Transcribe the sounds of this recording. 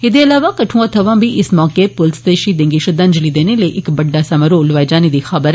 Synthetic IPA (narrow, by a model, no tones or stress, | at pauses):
id̪iɐlaːʋakɐʈʰũːat̪ʰɐʋãːmbʱiʔismɔːkepʊlsd̪eːʃid̪ẽŋɡiʃɐd̪ãnd͡ʒəlid̪eːneleʔɪkbɐɖːaːsɐmɐɾoːlʋajd͡ʒaːnid̪ixɐbəɾ